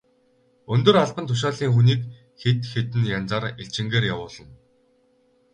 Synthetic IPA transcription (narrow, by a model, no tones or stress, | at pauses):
ɵnt̪ɵ̆raɮpə̆nt̪ʰʊʃ̬aːɮiːŋxuniːk | xet̪xet̪ɘ̆njant͡saːreɬt͡ɕɪ̆ŋɡeːɾjawʊːɮə̆n